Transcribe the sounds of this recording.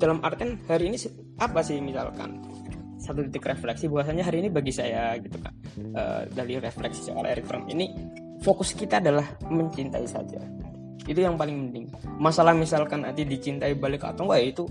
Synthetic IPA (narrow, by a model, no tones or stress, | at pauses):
d̥alamʔa̰rt̪iɛnhaɾiːnis | apasɪhmisa̰lka̰n | sat̪ut̪it̪ɪkreflɛksibaɦasaɲaɦaɾiːnibaɡisajaɡit̪uka̰nʔə̰ːdalireflɛksi̥sə̰o̰la̰ɛɾikfɾa̰mḭni | fokʊskit̪aːdalahməɲt͡ʃint̪a̰isa̰d͡ʒa̰ | it̪ujaŋpalɪŋməndɪŋ | masalahmisalkana̰t̪idit͡ʃint̪aibalɪka̰t̪ɔŋwajit̪u